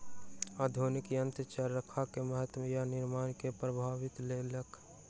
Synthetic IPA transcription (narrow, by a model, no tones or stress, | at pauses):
aːd̪ʱoːnɪkijə̃nt̪ət͡ʃaɾːəkʰakeməɦət̪mjanɪɾmaːnkepɾəbʱaːʋɪt̪leləkʰ